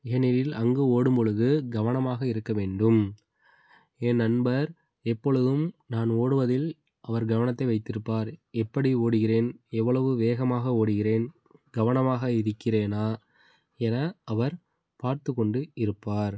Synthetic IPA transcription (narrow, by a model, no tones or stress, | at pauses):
ɪɐnɪɾɪlɐŋɡɯoːɽɯmpɔɭɯɣɯɡɐʋɐnɐmaːɣɐɪɾɯkːɐʋeːɳɖɯm | ɛnːɐnbɐɾ | ɛpːɔɭɯðɯmnaːnoːɽɯʋɐðɪl | ʔɐʋɐɾɡɐʋɐnɐt̪ːɐɪʋɐɪt̪ːɪɾɯpːaːɾɛpːɐɽioːɽɯɣɪreːnɛʋːɐɭɐʋɯʋeːɣɐmaːɣɐoːɽɯɣɪreːn | ɡɐʋɐnɐmaːɣɐɪɾɯkːɪreːnaː | ɛnɐʔɐʋɐɾ | paːɾt̪ɯkːɔɳɖɯɪɾɯpːaːɾ